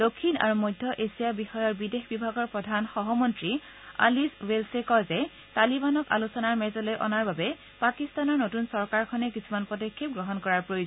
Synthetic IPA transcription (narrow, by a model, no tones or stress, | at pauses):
d̥okʰːina̰ɹumojdʱːɔʔesijabixɔjɔɹbidexbibʱaɡɔɹpɹɔdʱanxɔɦɔmɔntɹi | a̰liswelsekɔzɛ | talibanɔka̰lusɔnaɹmɛzɔlojʔɔ̰naɹbabɛ | pakistanɔɹnotunsɔɹkaɹkʰɔnɛkisʰumanpɔdokʰːip̚ɡɹɔɦɔnkɔɹaɹpɹojo